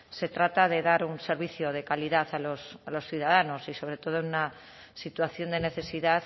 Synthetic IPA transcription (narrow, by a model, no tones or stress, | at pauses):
se̞t̪ɾat̪að̞e̞ðaɾunse̞ɾβ̞iθjoð̞e̞kaliðaθalosalo̞sθjuðað̞ano̞siso̞β̞ɾe̞t̪o̞ðoenuna | sit̪waθjo̞nd̪e̞ne̞θe̞siðaθ